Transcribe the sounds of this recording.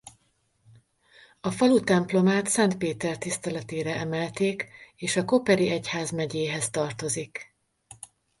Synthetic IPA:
ɒfɒlut̪ɛmplo̞maːt̪sɛnt̪̚peːt̪ɛrt̪ist̪ɛlɛt̪eːɾɛɛmɛlt̪eːkeːʃɒko̞pɛɾiʔɛchaːzmɛɟeːɦɛst̪ɒrt̪o̞zik

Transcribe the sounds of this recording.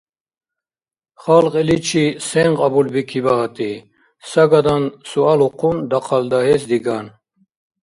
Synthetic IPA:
χalqʼɛlit͡ʃʰisɛŋqʼabulbikʰibaɦat̪ʼi | saɡad̪ansualuqʰund̪aqʰald̪aɦɛsd̪iɡan

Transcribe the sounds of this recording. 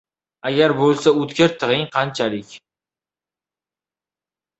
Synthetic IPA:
aɡʲaɾbolˠsaɵt̪kʲaɾt̪ʰɨʁɪŋqʰɑnt͡ʃʰalɪkʲ

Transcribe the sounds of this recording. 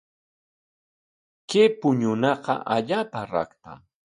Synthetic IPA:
kepʊɲʊnɑqɑ̰ʔaʎaːpaɾɑ̰kt̪a̰

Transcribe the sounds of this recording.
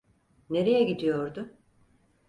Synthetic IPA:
ne̞ɾejɛɟid̪ijoɾd̪ʊ

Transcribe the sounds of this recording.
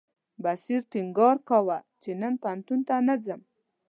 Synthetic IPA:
basiɾʈiŋɡɑɾkawat͡ʃenənpant̪unt̪anad͡zəm

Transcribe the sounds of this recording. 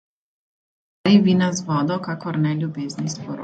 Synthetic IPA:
ɾiʋiːnazʋɔːd̪ɔkakɔɾnɛlʲjubeːznispɔɾ

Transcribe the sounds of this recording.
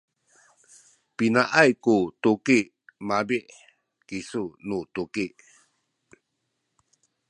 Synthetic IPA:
pinaʔajkut̪ukiʔ | mabiʔ | kisunut̪ukiʔ

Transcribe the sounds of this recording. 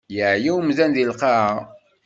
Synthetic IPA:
jəʕjiwmzænðilqɑʕa

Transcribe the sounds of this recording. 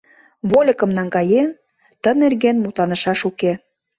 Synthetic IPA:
βolʲə̆kə̆mnɑŋɡɑjen | t̪ə̆nerɣenmut̪lɑnə̆ʃɑʃuke

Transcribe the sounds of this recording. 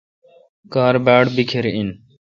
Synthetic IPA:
kaːɾbaːɽbikʰeɾiɪn

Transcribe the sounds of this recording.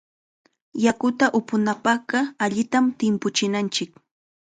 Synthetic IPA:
jakʊt̪aʔʊpʊnapɑɢɑaʎɪt̪amt̪ɪmpʊt͡ʃɪnant͡ʃɪk

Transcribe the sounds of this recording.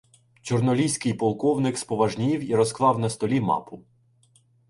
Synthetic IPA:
t͡ʃɔrnɔlʲijsʲkɪjpɔlˠkɔwnɪkspɔʋɐʒnʲiwiɾɔsklˠɑwnɐst̪ɔlʲimɑ̰pʊ

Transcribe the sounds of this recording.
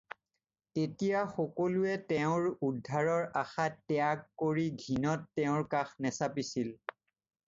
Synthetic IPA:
tetijaxɔkɔluɛtɛʊ̃ɹudʱːaɹɔɹaxatːɛakːoɹiɡʱinɔtːɛʊ̃ɹkaxnɛsapisil

